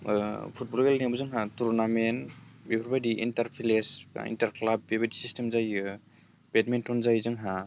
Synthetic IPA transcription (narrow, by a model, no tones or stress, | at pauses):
pʰut̚bɔlɡelnabuzɯŋɦatuɾnamenbebʰɾbadiʔḭntaɾpʰilesḭntaɾklab̚ːebadisistemzajɯ | b̥etmentɔnzajzɯŋɦa